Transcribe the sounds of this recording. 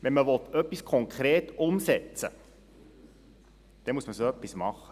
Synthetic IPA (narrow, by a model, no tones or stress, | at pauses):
ʋɛnməʋɔt̪œpːiskʰɔŋkʰɾeːtʊmsɛt͡sə̰ | d̥ɛnmuəsməsoœpːismɑχə̥